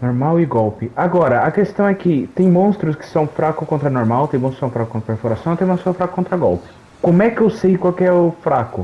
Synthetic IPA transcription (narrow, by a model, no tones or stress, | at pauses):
noɾmawɪɡɔwpɪaɡɔɾɐɐkest̪ɐ̃w̃ɛkɪt̪ẽj̃mõst̪ɾʊskɪ̥sɐ̃w̃fɾakʊskõnt̪ɾɐnoɾmawt̪ẽj̃bõsksɐ̃w̃fɾakʊkõt̪ɾɐpeɾfoɾasɐ̃w̃t̪ẽj̃mõssõfɾakʊkõnt̪ɾɐɡɔwpɪ̥ | kõmʊɛkɪewsejkwawkɪɛʊfɾakʊ̰